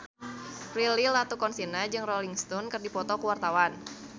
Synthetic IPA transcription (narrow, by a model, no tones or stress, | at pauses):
frililat̪ukɔnsinad͡ʒɨŋrɔliŋst̪ɔnkɨrdipɔt̪ɔkuwart̪awan